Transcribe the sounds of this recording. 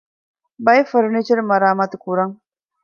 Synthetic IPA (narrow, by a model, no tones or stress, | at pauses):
bajfəɾnit͡ʃəɾmɐɾaːmat̪kuɾaŋ